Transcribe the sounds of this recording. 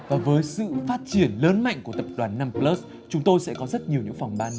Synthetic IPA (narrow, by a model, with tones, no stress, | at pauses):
vaː˨˩vəː˨˦jsɨ̰˧˨faː˦˥t̚t͡ɕi˧˩ənləː˨˦nma̰˧˨jŋku˧˩ət̪ə˨˩p̚ɗwaː˧˩nːaː˧mplə˦˥s | t͡ɕʊ˨˦ŋ͡mt̪o˧jsɛ̰˧˥kɔ˨˦zə˦˥t̚ɲi˨˩əwɲɨ̰˧˥ŋfa˨˩wŋ͡mɓaː˧n